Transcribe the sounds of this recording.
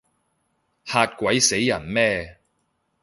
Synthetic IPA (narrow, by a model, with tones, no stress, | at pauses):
haː˧t̚kʷɐ˨˥jse˨˥jːɐ˨˩nmɛː˥